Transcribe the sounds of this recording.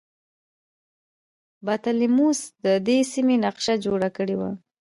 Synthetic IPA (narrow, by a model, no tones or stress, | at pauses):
bat̪alimusd̪əd̪esimenaqʃad͡ʒoɽakəɽewa̰